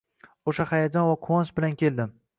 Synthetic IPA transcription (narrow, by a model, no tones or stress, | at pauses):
oʃahajad͡ʒɒnvaqʰʊwɒnsbɪlankʲʰe̞ld̪ɪm